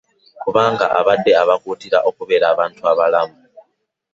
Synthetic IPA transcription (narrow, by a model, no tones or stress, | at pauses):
kuβaːŋɡa̰ʔaβad̪ːeaβakutiɾa̰ʔo̞kuβeɾaːβaːntʰuaβalamu